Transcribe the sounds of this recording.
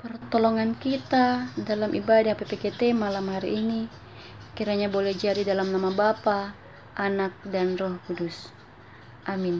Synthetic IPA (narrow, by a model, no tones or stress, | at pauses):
pərt̪ɔlɔŋankit̪adalamʔibadahpepeket̪ɛmalamɦaɾiʔːni | kiɾaɲabolɛhd͡ʒaɾidalamnamabapa | ʔanak̚danrɔhkudus | ʔamin